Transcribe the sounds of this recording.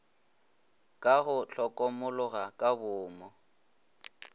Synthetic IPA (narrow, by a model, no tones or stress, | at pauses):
kʼaɣʊɬʰɔkʼɔmʊlʊɣakʼabʊːmɔ